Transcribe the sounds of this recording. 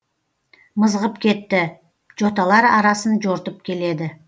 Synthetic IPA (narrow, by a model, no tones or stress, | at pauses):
məzʁəpkʲʰe̞t̪ːɪ | ʒo̞t̪ɑlˠɑɾɑɾɑsənʒo̞ɾt̪əp̚kʲʰe̞le̞d̪ɪ